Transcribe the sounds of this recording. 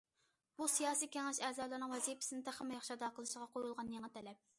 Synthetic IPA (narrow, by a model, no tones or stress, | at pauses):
b̥usijɑːsijkʲʰeŋɪʃɛːzɑːlˠɨɾnɨŋwɛzipɪ̥sɪnɪd̪ɛχæmɛjɑχʃɑd̪ɑqəlˠɨʃɪʁɑqʰojulˠʁɑnjeŋɨt̪ʰɛlɛp̚